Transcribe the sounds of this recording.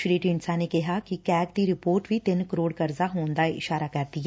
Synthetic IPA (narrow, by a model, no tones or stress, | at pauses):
ʃɾiːʈiːɳsaneːkɪɦaːkikɛːkd̪iɾɪpoːɾʈʋiːt̪ɪnkəɾoːɽkəɾzaːɦoːnd̪aːɪ̰ʃaːɾaːkəɾd̪iɦɛ